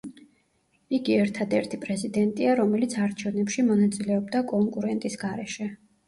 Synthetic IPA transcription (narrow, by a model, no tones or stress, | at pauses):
iɡiɛɾt̪ʰad̪ɛɾt̪ʰipʼɾɛzid̪ɛnt̪ʼiaɾɔmɛlit̪sʰaɾt͡ʃʰɛvnɛpʃimɔnat̪sʼilɛɔbd̪akʼɔŋkʼuɾɛnt̪ʼisɡaɾɛʃɛ